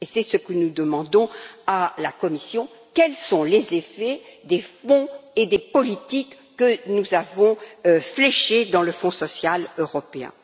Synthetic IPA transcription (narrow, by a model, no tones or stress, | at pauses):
esɛsəkənud̪əmɑ̃d̪ɔ̃alakɔmisjɔ̃ | kʲɛlsɔ̃lezefɛd̪efɔ̃ed̪epɔlit̪ikːənuzavɔ̃flɛʃed̪ɑ̃ləfɔ̃sɔsjaløʁɔpeɛ̰̃